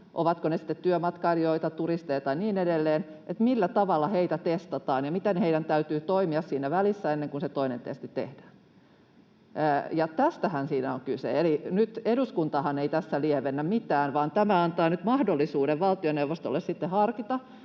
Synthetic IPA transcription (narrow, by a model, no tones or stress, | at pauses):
ʔo̰ʋɑt̪konesi̥t̪ːet̪tyømɑt̪kɑrijoit̪ɑt̪urist̪ejt̪ɑniːnedelːeːn | ʔet̪milːæt̪ɑʋɑlːɑheit̪æt̪est̪ɑt̪ɑːnjɑmit̪enheidænt̪æyt̪yːt̪oimiɑssiːnæʋælisːæenːeŋkunset̪oinḛnt̪ḛst̪it̪ḛhd̥æːn | jɑt̪æst̪æhænsiːnæoŋkysḛelinyt̪eɾuskunt̪ɑhɑneit̪æsːæliɛʋenːæmmit̪æːnʋɑːnt̪æmæɑnt̪ɑːnyt̪mɑhdolːisuːɾeʋʋɑlt̪ioneuʋost̪o̰lːessit̪ːehɑrkit̪ɑ